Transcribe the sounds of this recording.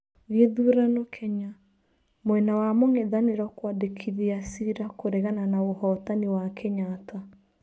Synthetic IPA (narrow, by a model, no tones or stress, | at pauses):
ɣeðuɾanokʰɛɲa | mwɛnawamoŋeðaneɾɔkwadekʰiðiasiɾakoɾɛɣananaohɔtaniwakʰɛɲata